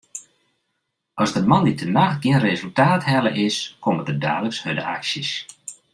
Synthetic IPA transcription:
ɔzdəmanit̚ʰənaxtɡiənrezəlˠtaːthɛləʔɪskʰomədəda̰ːləkshødəʔa̰ksjəs

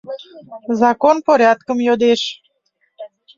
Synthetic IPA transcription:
zɑkonpoɾeat̪̚kəmjod̪eʃ

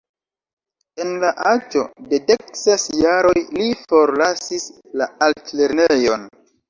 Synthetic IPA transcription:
e̞nlaʔad͡ʒo̞̰dede̞k̚sesjaɾo̞jlifo̞ɾlasis | laaltle̞ɾnejo̞n

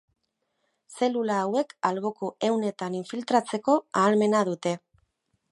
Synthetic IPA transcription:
se̞lulaːwe̞kalβokoe̞wne̞t̪aniɱfilt̪ɾat͡se̞ko̞aːlme̞nað̞ut̪e̞

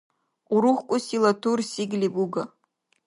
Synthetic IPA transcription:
uɾuχkʷʼʊsilatʰursiɡlipʼuɡa

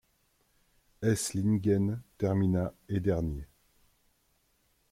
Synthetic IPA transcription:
ɛslinɡʲɛnt̪ɛʁminaed̪ɛʁnje

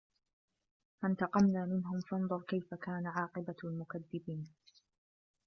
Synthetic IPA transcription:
ʔant̪ɑqɑmnaːmɪnɦʊmfɑnðˤʊɾˤkajfakaːnaʕɑːqɨbalmʊkaðːɪbiːn

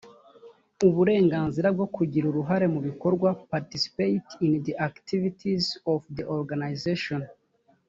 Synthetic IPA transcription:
uβuɾe̞ːŋɡaːnziɾab̚ɡo̞kuɟiɾuɾuɦaɾe̞muβiko̞ɾɡwapaɾtisi̥pejtindiʔaktivitʰizɔfdiʔoɾɡanajzeʃon

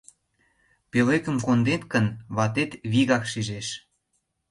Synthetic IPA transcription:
pelekə̆mkond̪et̪kə̆nβɑt̪et̪βiɣɑkʃiʒeʃ

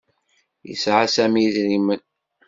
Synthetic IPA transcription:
jə̰sʕasæmiðɾimən

